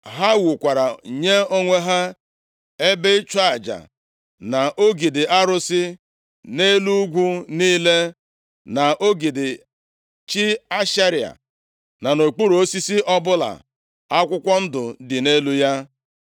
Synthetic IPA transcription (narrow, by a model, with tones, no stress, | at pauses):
ɦa˦wʊ˨kʷa˨ɾa˨ɲe˦o˦ŋʷe˦ɦa˦ | e˦be˦t͡ʃa˦˨d͡ʒa̰˨ | na˨ʔo˦ɡi˨dɪ˨a˦ɾʊ˦sɪ˦ | ne˦lu˦ɡʷu˦niː˦le˦ | na˨ʔo˦ɡi˨dɪ˨ | t͡ʃi˦a˦ʃa˦ɾi˨a̰˨ | na˨no˨k͡pu˦ɾu˨o˦si˦si˦ʔɔ˦bʊ˦la̰˨ | a˦kʷʊ˦kʷɔ˦n̩˦dʊ˨dɪ˨ne˦lu˦ja˦